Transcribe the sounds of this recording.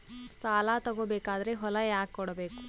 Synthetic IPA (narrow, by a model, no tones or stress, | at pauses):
saːlaːt̪ɐɡoːbeːkaːd̪ɐɾeɦɔlɐjaːkːɔɽɐbeːku